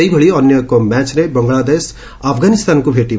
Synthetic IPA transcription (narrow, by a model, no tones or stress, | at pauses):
ʌibʱʌɭiʌnjʌkomat͡snebʌŋɡɭad̪es | apʰɡanist̪ankobʱeʈi